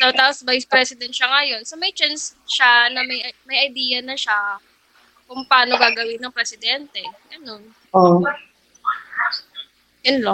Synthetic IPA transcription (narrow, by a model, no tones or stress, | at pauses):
t̪ɐwt̪aːposvajspɾɛsɪd̪ɛnt̪̚ʃɐŋɐjo̞nsomɐjt͡ʃansʃanɐmɐjɐmɐjʔɐjd̪iːɐnɐʃa | kʊŋpɐʔaːnoɡaːɡɐwɪnɐŋpɾɛsɪd̪ɛnt̪ɛɡɐno̞n | o | jʊnlo